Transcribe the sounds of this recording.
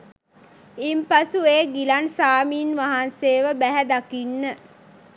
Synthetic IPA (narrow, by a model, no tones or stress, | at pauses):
impasueːɡilansaːmiːnʋaɦanseːʋəbæɦæd̪akinːə